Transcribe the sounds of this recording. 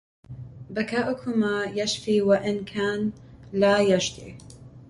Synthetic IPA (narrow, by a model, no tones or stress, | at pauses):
bɐkʰaʔʊkʰumajaʃfiwaʔɪnkʰaːnlajaʒd̪ḭ